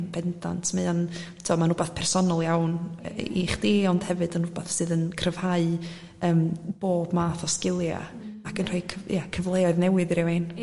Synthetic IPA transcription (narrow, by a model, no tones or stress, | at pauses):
nbɛnda̰ntʰmeðantʰiɔmanʊbaθpʰɛrsɔnɔlˠjawniχd̥eːɔnd̥hɛvɨdənʊbaθsɨːðənkʰrəv̥haɨ | əːmb̥oːbmaːθɔskɪlˠja̰akənrɔɨkʰəjakʰəvlˠɛɔɨðnɛwɨðɾɛwen